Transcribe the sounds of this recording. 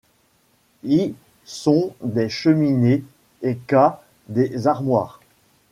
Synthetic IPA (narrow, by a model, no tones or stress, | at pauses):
i | sɔ̃d̪eʃəmine | eka | d̪ezaʁmwaːʁ